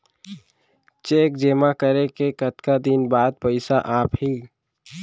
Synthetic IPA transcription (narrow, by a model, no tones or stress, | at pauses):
t͡ʃeːk̚d͡ʒeːmakəɾekekət̪kad̪ɪnbaːd̪̚pəɪsaʔaːpɦiː